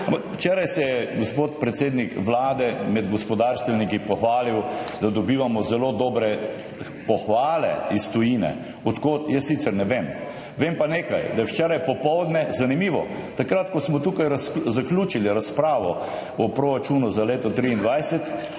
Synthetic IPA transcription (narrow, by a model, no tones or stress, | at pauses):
ampakwt͡ʃɛɾajsɛjɛɡospoːt̪pɾɛt̪seːd̪nikʋlaːd̪ɛmɛd̪ɡɔspɔd̪aːɾst̪ʋɛlnikipɔxʋaːliwd̪ad̪ɔbiːʋamɔzɛloːd̪ɔːbɾɛ | pɔxʋaːlɛ̰ist̪ɔjiːnɛ̰ | ɔt̪kot̪jəsːit̪sɛɾnɛʋem | ʋeːmpaneːka̰jd̪ajɛwt͡ʃɛːɾajpɔpɔwd̪nɛzanimiːʋɔ̰ | t̪akɾat̪kɔsmɔt̪uːkajɾazaklʲuːt͡ʃiliɾaspɾaːʋɔ | ɔpɾoɾat͡ʃunuzaleːt̪ɔt̪ɾiːnd̪ʋajsɛt̪